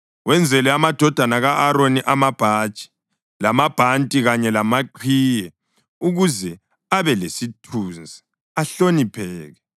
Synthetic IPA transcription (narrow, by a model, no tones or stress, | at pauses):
wɛnd͡zʱɛlɛamad̥ʱɔd̥ʱanaɣaʔːɾoniʔamab̥ʱaːt͡ʃʼi̥ | lamab̥ʱantʼiɣaɲɛlamaǃʰwiːjɛ | uɣuzɛ | aβɛlesitʰuːnd͡zʱi | aɬonipʰɛːɣɛ